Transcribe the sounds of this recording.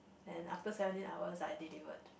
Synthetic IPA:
ɛ̃na̰ftəsɛvə̃ntĩnawəsajdilivə̰t̚

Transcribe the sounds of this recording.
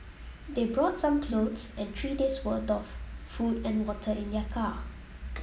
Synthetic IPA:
debɹɔtsãmkʰlodsɛ̃ntʰɹideswədɔffudɛ̃nwɔtʰəɪ̃ndəkʰa

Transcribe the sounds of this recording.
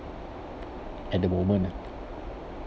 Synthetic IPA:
ɛt̚d̪əmomə̃n

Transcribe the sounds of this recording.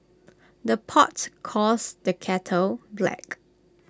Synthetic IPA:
dəpʰɔ̰tkʰɔsdəkʰɛtʰəlblɛ̰k

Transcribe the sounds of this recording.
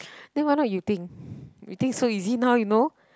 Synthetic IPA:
nẽŋwãnɔjut̪ɪŋjṵt̪ɪ̃ŋksoizinawjuno

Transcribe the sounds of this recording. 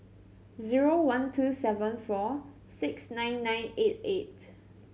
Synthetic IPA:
ziɹowãntʰusɛvə̃nfɔ | sɪksnãɪ̃nːãɪ̃net̚et̚

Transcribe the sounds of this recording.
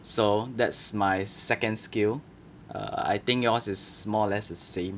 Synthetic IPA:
sodɛtsmajsɛkə̃nskil | ʔʌ̰a̰jt̪ɪ̃ŋkjɔsɪsmɔlɛsdəsẽm

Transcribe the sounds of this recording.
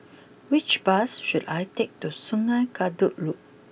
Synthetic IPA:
wit͡ʃbasʃudajtek̚tusũŋajkʰaduʔluk̚

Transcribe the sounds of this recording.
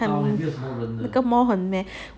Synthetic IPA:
ɐn | kɐmɔɦənmɛ

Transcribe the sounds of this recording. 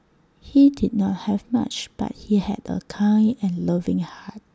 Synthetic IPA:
hidid̚nɔt̚hɛvma̰t͡ʃb̥a̰t̚hihɛ̰də̰kʰãɪnɛ̃nlavɪ̃ŋhat̚

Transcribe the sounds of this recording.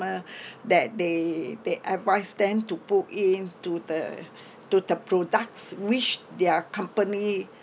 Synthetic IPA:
ədɛt̚dedeʔɛtvaɪsdɛ̃mtuputĩntudə̰ | tudəpɹodak̚swit͡ʃdɛəkãmpəni

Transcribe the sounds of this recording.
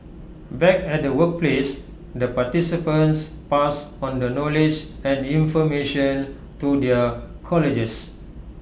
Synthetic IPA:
bɛkɛt̚dəwək̚ples | dəpatisipə̃ns | pasɔ̃ndənɔlid͡ʒ | ɛ̃nĩɱfɔmeʃə̃n | tudɛəkʰɔlid͡ʒəs

